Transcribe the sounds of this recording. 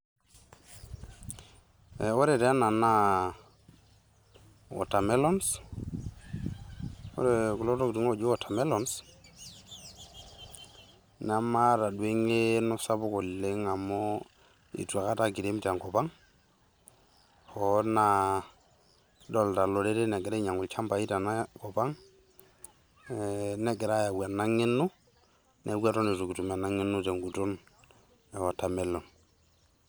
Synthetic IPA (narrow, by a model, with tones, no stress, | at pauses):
e˨o˦ɾe˨te˨a˦na˨na˦ | o̰˨ta˨me˦lo˦ns | o̰˦ɾe˨ku˨lo˦to˦kti˨ŋo˦d͡ʒo˦ɔ˨ta˨me˦lɔ˨ns | na˨ma˦ɾa˨dwe˦ŋe˦no˦sa˦bu˦ko˨lːe˨˦ŋa˨mo˦ | ḭ˨tu˨a˨ka˦ta˦ki˨de˦mta˨ŋkɔ˨pa˦ŋ | hɔ˨na˨˦ | dɔ˨lta˨lɔ˨de˦te˦nɛ˨ɡɛ˨ɾɛ˦ɲa˨ŋʊ˨lt͡ʃa˦mpa˨i˦ta˨n˦kɔ˨ba˦ŋ | nɛ˦ɡɛ˨ɾa˦ja˨wwa˨na˦ŋɪ˦nːʊ˦ | nʔɛ˦ɡwa˦tɔ˦ni˨su˨ki˨tu˨ma˨na˦ŋɪ˦nʊ˦tɛ˨ŋɡu˨tʊ˦n | ɛ˨wa˨tːa˨mɛ˨lːɔ˨n